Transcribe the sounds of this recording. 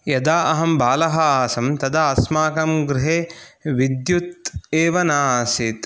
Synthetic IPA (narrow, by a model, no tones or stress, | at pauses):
jɐd̪aːʔɐɦɐmbaːlɐɦɐaːsɐmt̪ɐd̪aɐsmaːkɐmɡɾɪɦeːʋid̪jut̪̚eːʋɐnaːsit̪